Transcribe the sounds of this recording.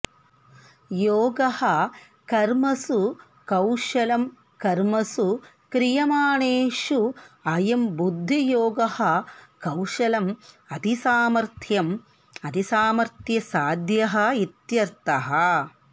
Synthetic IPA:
joːɡɐhɐ | kɐɾmɐsu | kɐwʃɐlɐm | kɐɾmɐsu | kɾijɐmaːɳeːʃuɐjɐmbud̪ʱːijoːɡɐhɐkɐwʃɐlɐm | ɐd̪ʱisaːmɐɾt̪ʰjɐm | ɐd̪ʱisaːmɐɾt̪ʰjɐsaːd̪jɐɦɐ̆it̪jɐɾt̪ɐɦɐ

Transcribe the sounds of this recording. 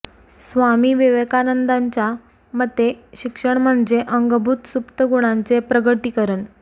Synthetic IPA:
sʋamiːʋeʋekanənd̪aɲt͡ɕja | m̤ət̪ːeɕikʂəɳm̤əɳd͡zeʔəŋɡəbʱut̪supt̪əɡuɽ̃ant͡sepɾəɡəʈiːkəɾəɳ

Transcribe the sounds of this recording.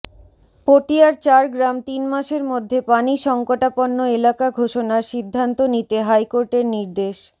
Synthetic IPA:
poʈiaɾt͡ɕaɾɡɾamt̪inmaʃeɾmod̪ʱːepaniʃɔŋkoʈaponːoelakaɡʱoʃonaɾʃid̪ʱːant̪onit̪eɦajkoɾʈeɾniɾd̪eʃ

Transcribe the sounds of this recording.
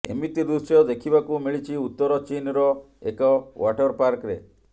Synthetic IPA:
ḛmit̪id̪usjɔd̪ekʰibakumiɭit͡ʃʰiut̪ːɔɾɔt͡ʃinɾɔ | ekɔwʔaʈɔɾpaɾkɾe

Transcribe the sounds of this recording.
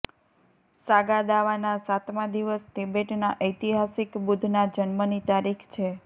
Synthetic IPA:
saɡad̪aʋanasat̪mãd̪iʋəsʈebeʈnaʔəjt̪iɦasikbud̪ʱnad͡ʒənmənit̪aɾikʰt͡ʃʰe

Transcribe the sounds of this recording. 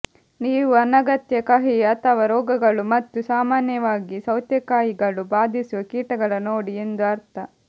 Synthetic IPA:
niːʋuɐnɐɡɐt̪jɐkɐɦiɐt̪ʰɐʋɐɾɔːɡɐɡɐɭumɐt̪ːusaːmaːnjɐʋaːɡisɐwt̪jɐkaːjiɡɐɭubaːd̪ʱisuʋɐkiːʈɐɡɐɭɐnoːɽie̞nd̪uɐɾt̪ʰɐ

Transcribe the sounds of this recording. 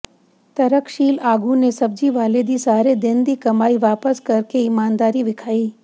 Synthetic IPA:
t̪ɐɾəkʃiːlaːɡunesɐb̚d͡ʒiʋaːled̪isaːɾed̪end̪ikɐmaːiʋaːpəskɐɾkeɪmaːnd̪aːɾiʋɪkʰaːiː

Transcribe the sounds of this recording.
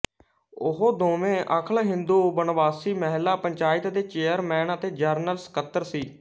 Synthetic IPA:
ʊɦoːd̪ʱoːmẽːʔəkʰəlɦɪ̃nd̪uːbənʋaːsiːməɦlːaːpəɲt͡ʃaːɪt̪d̪eːt͡ʃeːəɾmɛːnət̪eːd͡ʒəɾnəlsə̥kət̪ːəɾsiː

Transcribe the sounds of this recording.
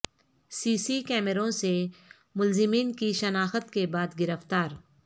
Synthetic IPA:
siːsikɛːmeɾõse | mʊlzɪmiːnkiʃənaːxət̪kebaːd̪ɡɪɾəft̪aːɾ

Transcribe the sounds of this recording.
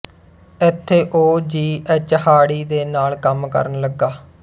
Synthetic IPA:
ɪt̪ʰːeːʔoːd͡ʒiːɛt͡ʃəhaːɽiːd̪eːnaːlkəmkə̰ɾənləɡaː

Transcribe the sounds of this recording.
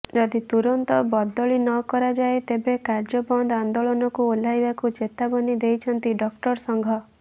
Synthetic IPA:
d͡ʒɔd̪it̪uɾɔnt̪ɔbɔd̪ːɔɭinɔkɔɾad͡ʒaet̪ebekaɾd͡ʒɔbɔnd̪and̪oɭɔnɔkuolajbakut͡ʃet̪abɔnid̪ejt͡ʃʰɔnt̪iɖɔkʈɔɾsɔŋɡʱɔ

